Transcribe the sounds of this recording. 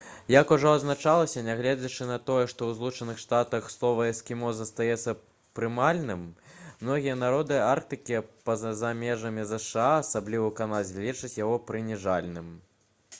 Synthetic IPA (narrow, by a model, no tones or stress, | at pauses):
jɐkuʐɔɐznat͡ʂalˠɐsʲɐnʲaɣlʲɛd͡zʲɐt͡ʂɨnɐt̪ɔjɛʂt̪ɔwzlˠut͡ʂɐnɨxʂt̪at̪ɐxslˠɔvɐɛskʲimɔzɐst̪ajɛt̪sːɐ | pɾɨmalʲnɨmmnɔɣʲijɐnaɾɔd̪ɨark̚t̪ɨkʲipɐzamʲɛʐɐmʲizɛʂɨaːsablʲivɐwkanad͡zʲlʲit͡ʂɨt͡sʲjaɣɔpɾɨnʲiʐalʲnɨm